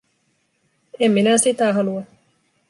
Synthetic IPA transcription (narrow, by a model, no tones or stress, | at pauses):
emminæsit̪æɦɑluɑ